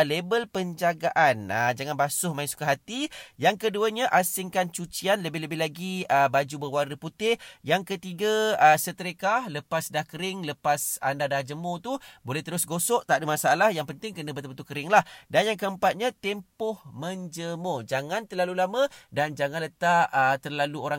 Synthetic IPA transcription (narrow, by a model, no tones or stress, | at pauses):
lebəlpəɲd͡ʒaɡaʔanəd͡ʒaŋanbasʊhmaiŋsu̥kaɦat̪ijaŋkəduəɲaʔasɪŋkant͡ʃut͡ʃianləbɪhləbɪlaɡiəbad͡ʒubəwardəput̪ɪjaŋkət̪iɡaəsət̪əɾəkahləpasdahkəɾɪŋləpasa̰ndadahd͡ʒəmot̪ubolɛht̪əɾʊsɡosɔʔt̪aʔdəmasaalahjaŋpənt̪ɪŋkənəbət̪əbət̪ukəɾɪŋlahdanjaŋkəəmpat̪̚ɲat̪ɛmpʊhmənd͡ʒəmod͡ʒaŋant̪ərlalulamə̃dand͡ʒaŋãnlət̪aʔət̪ərlaluoɾaŋ